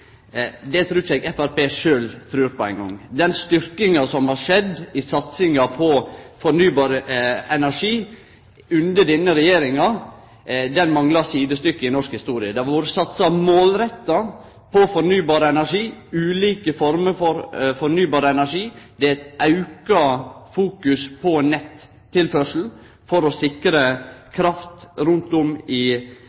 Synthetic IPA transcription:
d̪ɛt̪ʰɾʉːɛɡɛfæɾpeːʂøːlt̪ʰɾʉːɾpɔæɪŋɡɔ̰ŋːd̪ɛnst̪ʏɾkɪŋɑsɔmhɑʂɛd̪ɪsɑt̪sɪŋɑpʰɔfɔnyːbɑːɾəɛnæʂiː | ʉnd̪əɖ̪ɪnːəɾɛjeːɾɪŋɑ | d̪ɛnmɑŋlɑsiːd̪əst̪ʏkːəɪnɔʂkhɪst̪uːɾɪəd̪ɛʋuːɾəsɑt̪sɑmoːlɾɛt̪ːɑ | pʰɔfɔɾnyːbɑːɾəɛnæʂiːʉːliːkəfɔɾməfɔɾfɔɾnyːbɑːɾəɛnæʂiːd̪ɛæt̪ʔɑʉkɑfuːkʉspʰɔnɛt̪ʰː | ɪlfœʂl̩ | fɔɾɔsɪkɾəkʰɾɑft̪ɾʉnt̪ʊmɪ

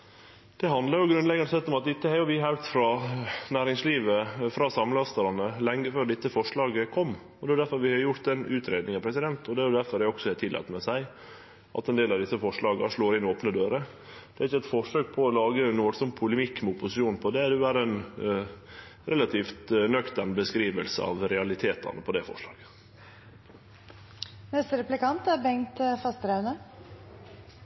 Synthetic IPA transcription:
d̪̥ɛɦɑnd̪lɑɾjʊɡɾʉnlɛɡɑnəsɛt̪ːɔmɑt̪̚d̪ɪt̪ːəhæɾjʊʋɪɦæʉt̪fɾɑːnæːɾɪŋsliːʋəfɾɑsɑmlɑst̪ɑɾɑnəlɛŋːəføːɖɪt̪ːəfɔʂɭɑːɡəkʰɔmː | ɔd̪ɛʋɑd̪æɾfɔɾʋɪhɑjʊɾt̪ɛnʉːt̪ʰɾeːd̪nɪŋɑpʰɾɛsɪd̪ɛnt̪ʰɔd̪ɛæɾjʊd̪æɾfɔɾæɾɔksɔhɛt̪ʰɪlʔɑ̰ːt̪mɛsæɪ | ʔɑ̰t̪ɛnd̪eːlɑʋd̪ɪsːəfɔʂɭɑːɡəɑʂɭoːɾɪnoːpnəd̪øːɾə | d̪̥ɛɾɪçːəɛt̪fɔʂøːɡpʰɔɔlɑːɡənːsɔmpʰʊləmɪkːmɛʊpʊsɪʃuːnpʰɔd̪ɛd̪ʉæɾɛn | ɾɛlɑt̪ʰiːft̪nœkt̪əɳbəskɾiːʋəlsə̰ɑ̰ʋɾɛɑlɪt̪ʰeːt̪ɑ̰nəpʰɔd̪ɛfɔ̰ʂlɑ̰ːɡ̥ə | nɛst̪əɾɛplɪkɑnt̪æɾbɛŋt̪fɑst̪ɾɑʉnə

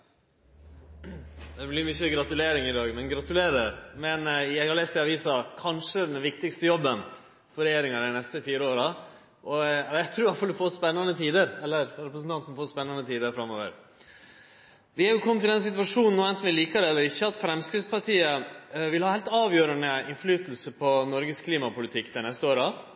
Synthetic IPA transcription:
d̪ɛblɪɾmʏçəɡɾɑt̪ʉleːɾɪŋɪd̪ɑːɡmɛnɡɾɑt̪ʉleːɾəɾmɛnjæɪhɑleːst̪ɛɑʋiːsɑkʰɑnʂəd̪ɛnʋɪkt̪ɪkst̪əjɔbːən | fɔɾɛjeːɾɪŋɑɾæɪnɛst̪əfiːɾəoːɾɑ | ʔɔɑjæɪt̪ʰɾuːɾhɑfɔlɪfoːspɛnːənət̪ʰiːd̪əɾɛlːəɾɾɛpɾəsn̩t̪ɑnt̪n̩foːspɛnːɑnət̪ʰiːd̪əɾfɾɑmːoːʋə̰ɾ | ʋɪhɑɾjʊkʰɔmːt̪ʰɪld̪ɛnsɪt̪ʋɑʂuːnn̩uːɛnt̪n̩ʋɪliːkəɾəɛlːəɾɪçːəɑt̪fɾɛmskɪspɑʈiːəʋɪlhɑːhæɪlt̪ɑːʋjøːɾənəɪnflyːt̪l̩səpʰɔnɔɾɡəskʰliːmɑpʊlɪt̪ʰɪkːd̪ænɛst̪əoːɾɑ

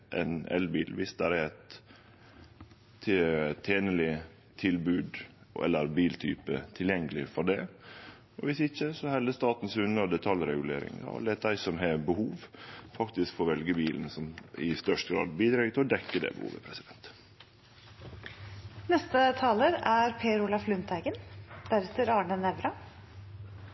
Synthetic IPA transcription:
ʔɛ̰nɛ̰lbiːlʋɪsd̪æɾɛɾɛt̪ | t̪ʰːeːnəlɪ | t̪ʰɪlbʉːd̪ʔɛ̰lːəɾbiːlt̪ʰy̰ːpə̰t̪ʰɪljɛŋːəlɪfɔɖɛ | ɔʋɪsɪçəsɔhɛld̪əst̪ɑːt̪n̩sʉnəd̪ɛt̪ʰɑljɾɛɡʉlḛːɾɪ̰ŋjɑ̰lɛt̪̚d̪æɪsɔmɦɛbəhuːʋfɑkt̪ɪskfoːʋɛlɡəbiːln̩sɔmɪ̰st̪œʂtɡɾɑ̰ːd̪̚biːd̪ɾɑːɡət̪ʰɪɔd̪ɛkːəd̪ɛ̰bə̰hṵːʋə̰pʰɾɛsɪd̪ɛnt̪ | nɛst̪ət̪ʰɑːləɾæɾpʰeːɾʊlɑflʉnt̪ʰæɪɡənd̪̥æɾɛt̪əɾɑːɳənɛʋɾɑ

